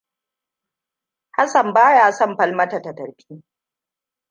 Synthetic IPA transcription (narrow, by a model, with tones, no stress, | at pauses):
ha˦sɐ˨mbaː˦jaː˨sɐ˦mɸɐ˦lmɐ˦ta˨tɐ˨tɐ˨ɽɸiː˦